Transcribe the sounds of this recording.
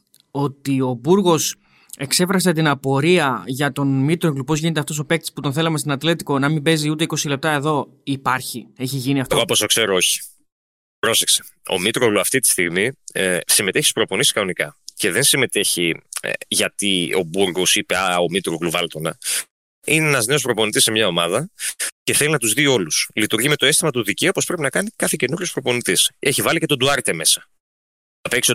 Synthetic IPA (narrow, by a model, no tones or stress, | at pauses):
o̞t̪io̞buɾɣo̞s | e̞kse̞fɾɐs̬e̞t̪inɐpo̞ɾiɐʝɐt̪o̞nmit̪ɾoɣlupo̞zʝine̞t̪eft̪o̞so̞pe̞k̚t̪i̥sput̪o̞nθe̞lɐmst̪onɐt̪le̞t̪i̥ko̞nɐmimbe̞ziut̪̬e̞iko̞sile̞p̚t̪ɐe̞ðo̞ | ipɐɾçie̞çiʝiniɐft̪ɣoɐpost̪okse̞ɾoo̞çi̥ | pɾo̞se̞kse̥ | o̞̰mit̪ɾoɣluɐft̪it̪i̥st̪iɣmisime̞t̪eçispɾo̞po̞nisi̥skɐno̞nikɐce̞ðe̞nsime̞t̪e̞çḭʝɐt̪io̞̰buɾɣosipe̞ɐomit̪ɾoɣluvɐlt̪o̞nɐ | ineenɐzne̞o̞spɾo̞po̞nit̪isːe̞mɲɐo̞mɐðɐce̞θe̞linɐt̪uzðio̞luslit̪uɾʝime̞t̪o̞e̞st̪imɐt̪uðiceupo̞spɾe̞pinɐkɐnikɐθece̞nuɾʝo̞spɾopo̞nit̪ise̞çivɐlice̞t̪od̪uɐɾt̪eme̞sɐ̥ | ɐpekso